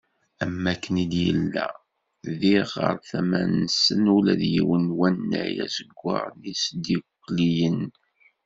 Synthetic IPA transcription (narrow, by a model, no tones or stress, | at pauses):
æmːækːənid̪jəlːæ | ðiʁə̰ɾˤθæmænəsənulæðjiwənwænːæjæsəɡʷːɑ̰ɾðisd̪ikːlijən